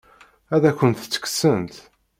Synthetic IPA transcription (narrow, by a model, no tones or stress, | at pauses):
æðækʷːənt̪t͡sːə̥kːsənt̪